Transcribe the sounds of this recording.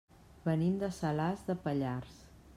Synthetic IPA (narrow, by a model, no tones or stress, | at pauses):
bənimd̪əsəlazðəpəʎars